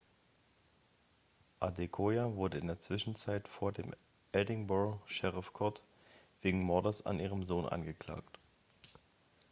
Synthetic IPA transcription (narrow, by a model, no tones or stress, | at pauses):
ʔadekʰoːjavʊɐdəɪndeːɐt͡sv̥ɪʃn̩t͡saɪtfoːɐdeːm | ʔɛdɪŋbɔʃɛʁɪfkʰɔɐt | v̥eːɡŋ̩mɔɐdɐsa̰nʔiːʁəmzoːnʔa̰nɡəkl̥a̰ːkt